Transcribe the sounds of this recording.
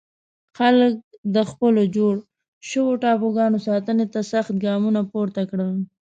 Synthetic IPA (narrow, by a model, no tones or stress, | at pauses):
xalək̚d̪əxpəlod͡ʒoɽ | ʃəwoʈɑpoɡɑnosɑt̪ənet̪asaxt̪̚ɡɑmunapoɾt̪akɽəl